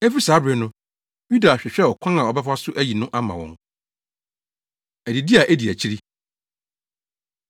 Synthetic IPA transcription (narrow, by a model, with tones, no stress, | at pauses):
ɛ˦fi˦saː˨˦bɾɪ˨nʊ̃˦ | ju˦da˨ɕᶣɛ˨ɕᶣɛ˦˨ɔ˨kʷʰã˦ã˨ɔ˨bɛ˦fa˦sʊ˦ʔæ˦ji˨nʊ̃˦ʔa˦mã˨wɔ̃˨n | æ˨di˨di˦a˨ʔæ˦di˨æ˨t͡ɕʰi˦ɾi˦